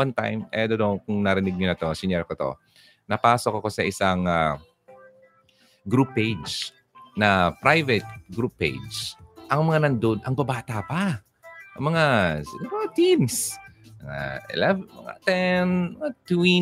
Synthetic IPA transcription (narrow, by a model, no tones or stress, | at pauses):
wɐnt̪a̰jmɛ̰d̪od̪okʊŋnɐɾɪnɪɡ̚ɲonɐt̪o̞sɪɲɛɾkot̪o̞̰ | nɐpaːsokɐkosɐʔɪsaŋa | ɡɾupːejd͡ʒ | nɐpɾajvɛt̪̚ɡɾupːejd͡ʒʔɐŋmɐŋanɐnd̪od̪ʔɐŋbɐbaːt̪apa | ʔɐŋmɐŋasɪɡamɐat̪insmɐŋa̰ɪ̰lɛvmɐ̰ŋa̰t̪ɛnmɐŋat̪wi